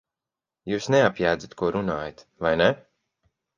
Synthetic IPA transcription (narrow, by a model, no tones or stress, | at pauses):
juːsneapjæːd̪zat̪kuɔɾunaːjat̪ | vajne